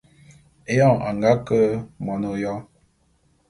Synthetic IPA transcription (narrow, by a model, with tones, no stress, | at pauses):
e˦jɔ˦˨a˨ŋ˨ɡa˦kə˦mɔ˨no˨jɔ˦